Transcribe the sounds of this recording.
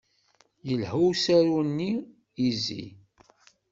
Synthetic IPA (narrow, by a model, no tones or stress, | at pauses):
jəlhuwsæɾunːi | izḭ